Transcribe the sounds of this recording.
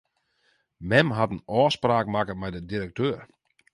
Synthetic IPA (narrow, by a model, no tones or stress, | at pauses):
mɛmɦatənɔːspraːkmakəmɛjdədiɾək̚tʰøːr